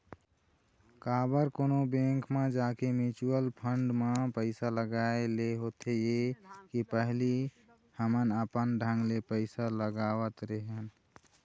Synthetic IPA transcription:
kabəɾkoːnobẽŋkmed͡ʒakemit͡ʃuəlpʰəɳɖmepəɪsaləɡaeleɦot̪ʰejekipəɦli | həmənəpənɖʱãŋɡlepəɪsaləɡawət̪ɾeɦən

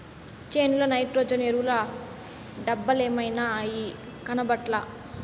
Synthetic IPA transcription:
t͡ʃeːnulɐnɐjʈɾoːd͡ʒɐneɾulɐ | ɖɐbːɐleːmɐjnaji | kɐnɐbɐʈlɐ

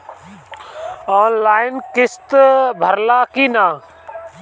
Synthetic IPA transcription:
oːnlaːɪnkɪst̪bʱəɾlaːkiːnaː

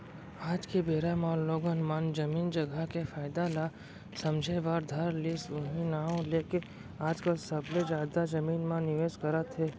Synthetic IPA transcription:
aːd͡ʒkebeːɾamaːlloːɡənmaːnd͡ʒɐmiːnd͡ʒɐɡʱakefaːɪd̪ala | sɐ̃md͡ʒʱeʋaːɾd̪ʱəɾlisʊɦĩnaɦõleːke | aːd͡ʒkəlsɐbled͡ʒaːd̪ad͡ʒɐmiːnmãnɪʋeːzkɐɾət̪ɦɛː

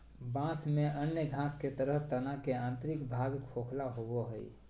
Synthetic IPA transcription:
bãsmeʔənjəɡʱãsket̪əɾəɦt̪ənakeãːnt̪ɾɪkbʱaɡkʰokʰlaɦoboɦəḭ

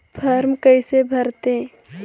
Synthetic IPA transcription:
pʰɐɾmkəɪsebʱɐɾt̪e

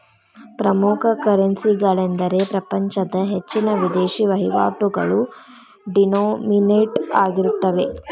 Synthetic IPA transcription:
pɾɐmukʰɐkɐɾɐnsiɡɐɭend̪ɐɾe̞pɾɐpɐɲt͡ʃɐd̪ɐɦet͡ʃːinɐʋid̪eːʃiʋɐɦiʋa̰ːʈuɡɐ̰ɭu | ɖinoːmineʈaːɡiɾut̪ːɐʋe̞

